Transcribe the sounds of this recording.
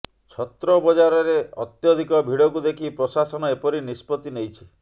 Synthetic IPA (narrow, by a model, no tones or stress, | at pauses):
t͡ʃʰɔt̪ɾɔbɔd͡ʒaɾɔɾeɔ̰t̪jɔd̪ʱikɔbʱiɽɔkud̪ekʰipɾosasɔnɔepɔɾinispɔt̪inejt͡ʃʰi̥